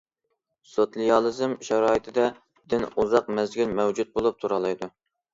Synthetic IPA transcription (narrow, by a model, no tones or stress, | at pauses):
sot̪lˠijɑlˠɨzɨmʃɛɾɑːit̪ʰɪd̪ɛ | d̪̥ɪnuzɑq̚mɛzɡʲylmɛwd͡ʒut̪̚bolˠup̚t̪ʰuɾɑlˠɑjd̪u